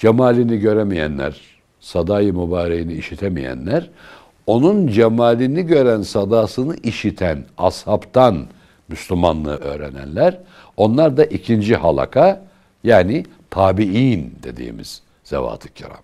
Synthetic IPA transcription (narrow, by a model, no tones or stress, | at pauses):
d͡ʒemaːlʲiniɟø̞ɾemijæ̰nlʲæ̰ɾ̥ | sad̪aːjɯmubaːɾejiniːʃit̪ʰemḭjæ̰nlʲæɾ | o̞nund͡ʒemaːlʲiniɟø̞ɾænsad̪aːsɯnɯʔiʃit̪ʰæna̰shapt̪ʰan | myslʲymanlˠɯ̰ːʔø̞ːɾenæ̰nlʲæɾ | o̞nlˠaɾd̪aʔicʰind͡ʒiha̰lˠa̰kʰa | jaːni | t̪ʰaːbiind̪e̞̰d̪ḭːmḭz̥ | z̥ḛva̰ːt̪ʰɯ̥cʰiɾa̰m